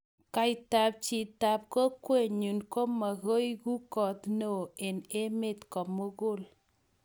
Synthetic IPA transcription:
ka˨ɪ˨ta˨p̚t͡ʃi˨ta˨p̚ko˦kwe˦˨ɲu˨nko˦ma˨ɣo˦jku˦kɔ˨tno˨e˨ne˦me˦˨tkɔ˨mo˦ɣʊ˦˨l

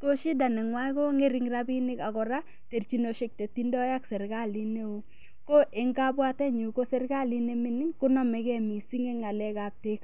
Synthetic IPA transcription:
ko˦ʃi˦da˨nɛ˨ŋwa˦ko˦ŋe˦ɾi˨˦ŋɾa˦bi˦nɪ˦ka˨kɔ˨ɾa˦ | te˨rt͡ʃi˨˦no˨ʃe˨k̚te˨ti˦ndɔ˦ja˦ksɛ˨ɾka˦˨li˦ne˦u˦ | ko˦ʔe˨ŋɡa˦bwa˦tɛ˦ɲu˨ko˦sɛ˦rɡa˦˨li˦ne˦mɪ˦nɪ˦ŋkʊ˦nɔ˦mɛ˨kɛ˦mi˨si˦ŋe˦ŋa˨lɛ˦ka˨p̚te˦k

